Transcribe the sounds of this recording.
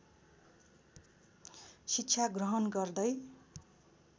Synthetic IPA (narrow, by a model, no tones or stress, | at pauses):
sitːt͡ʃʰaɡrʌɦʌnɡʌrd̪ʌj